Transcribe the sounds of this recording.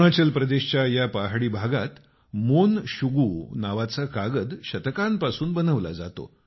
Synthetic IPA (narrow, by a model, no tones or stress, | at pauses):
ɽat͡ɕəlpɾəd̪eɕt͡ɕjajapaɦɽiːbʱaɡat̪ | monɕuɡuːnaʋat͡sakaɡəd̪ɕət̪əkampasuːnbənəʋla̰d͡za̰t̪o̰